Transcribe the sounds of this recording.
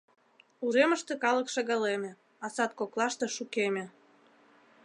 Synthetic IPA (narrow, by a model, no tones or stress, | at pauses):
uɾeməʃt̪ekɑləkʃɑɣɑlemʲĕ | ɑsɑt̪̚koklɑʃt̪e̽ʃukemʲĕ